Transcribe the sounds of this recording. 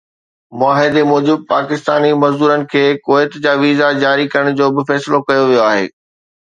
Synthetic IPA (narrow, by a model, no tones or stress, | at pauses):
mʊaːɦɪd̪emɔːd͡ʑɪb̚paːkɪst̪aːnimɐzd̪uːɾənɪ̆kʰeːkoːɪt̪d͡ʑaːʋiːzad͡ʑaːɾikɐɾəɽ̃d͡ʑoːbɪfɛːsɪlokɐjoʋijoaːɦḛː